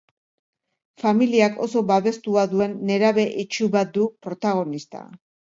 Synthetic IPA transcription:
familiako̞so̞baβe̞st̪uaðue̞nːe̞ɾaβe̞ʔit͡ʃuβat̪̚d̪upɾo̞t̪aɣ̞o̞nist̪a̰

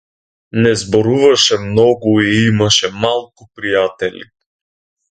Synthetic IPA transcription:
nɛzbɔɾuvɐʃɛmnɔɡʊiimɐʃɛmalˠkʊpɾijat̪ɛlʲḭ

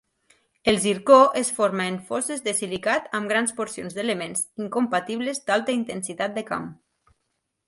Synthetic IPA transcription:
elˠziɾkoʔesfoɾmaeɱfɔsezðesilikat̪əmɡɾanspoɾsionzðelemẽnziŋkompat̪iβlezd̪alˠt̪əint̪ensit̪at̪̚d̪əka̰m

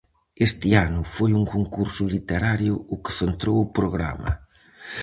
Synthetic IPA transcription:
est̪ɪanʊfojuŋkoŋkuɾsʊlit̪eɾaɾjʊʊkɪ̥θent̪ɾowʊpɾoɣɾa̰mɐ̰

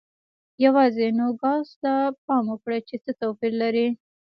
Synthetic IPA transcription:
jawɑzenoɡɑzt̪ap̚ɑmokɽat͡ʃet͡sət̪opiɾlaɾi

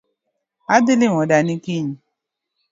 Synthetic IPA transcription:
adelew̃ɔ̃danĩkiɲĩ

